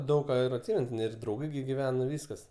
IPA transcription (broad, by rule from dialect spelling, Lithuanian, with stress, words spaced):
ˈdɐʊk kɐ ɪr ɐtʲˈsʲɪmʲɛn ɪr drɐʊˈɡɐɪ ɡʲɪ ɡʲɪˈʋʲæːnɐ ˈʋʲiːskɐs